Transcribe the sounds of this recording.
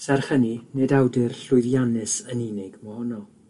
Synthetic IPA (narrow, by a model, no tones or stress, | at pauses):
sɛrχəninedawdɪrɬʊɨðjanɛsəninɪɡməhɔnɔ